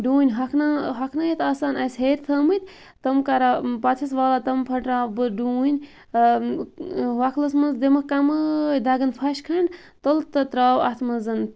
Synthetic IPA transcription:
ɖuːnʲɦɐkʰnaɦɐkʰnɐjit̪ʰɐːsaːnɐsɦeɾʲt̪ʰəmɨt̪ʲ | t̪ɐmkɐɾapɐt̪ʰis̬ʋaːlat̪ɐmpʰɐʈɾaːbɨɖuːnʲ | ʋɐkʰlɐsmɐnzd̪emɐkɐmɨd̪ɐɡɐnpʰɐʃkʰɐɳɖ | t̪olt̪ɐt̪ɾaːwɐ̰t̪ʰmɐzɐn

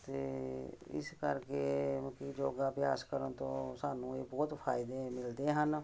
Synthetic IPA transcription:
t̪eːɪ̰skəɾkeːkiːd͡ʒoːɡaːpɪja̰ːskəɾənt̪õːsaːnũːeːbɔːt̪pʰaːɪd̪eːmɪld̪eːɦən

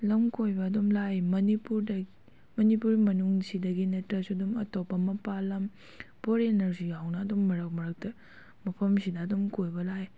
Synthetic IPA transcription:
lɐmkojbɐːdomlajmɐnipuɾdɐ | mɐnipuɾimɐnuŋsidɐɡinɐtɾɐsudumɐ̰topːɐmɐpalɐm | poɾenɐɾsijawnɐːdomːɐɾɐk̚mɐɾɐk̚tɐ | mɐpʰɐmsidɐːdomkojbɐlaj

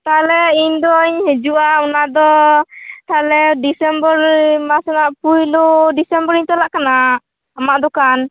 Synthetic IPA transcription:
t̪alɛiɲd̪ɔiɲhɛd͡ʒuʔaunad̪ɔ | t̪alɛɖisɛmbɔɾmasɛnaʔpujloɖisɛmbɔɾiɲt̪alaʔkana | amaʔd̪ɔkan

